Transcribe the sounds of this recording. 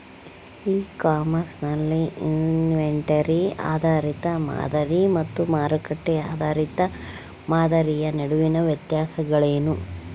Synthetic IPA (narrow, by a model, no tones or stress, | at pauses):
iːkaːmɐɾsnɐlːiinʋeɳʈɐɾia̰ːd̪ʱaːɾit̪ɐma̰ːd̪ɐɾimɐt̪ːumaːɾɐkɐʈːeaːd̪ʱaːɾit̪ɐ | maːd̪ɐɾijɐnɐɽuʋinɐʋjɐt̪jaːsɐɡɐɭeːnu